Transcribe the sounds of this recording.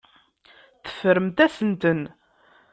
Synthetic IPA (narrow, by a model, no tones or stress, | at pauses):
θə̥fəɾəmt̪æsənt̪ən